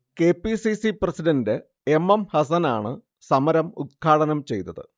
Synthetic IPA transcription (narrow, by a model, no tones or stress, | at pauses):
ke̞ːpːisisiprɐsiɖɐnde | emːɐmhɐs̬ɐna̰ːɳɨ | sɐmɐɾɐmut̪̚kʰaːɽɐnɐmt͡ɕe̞̰jt̪ːɐðɨ̰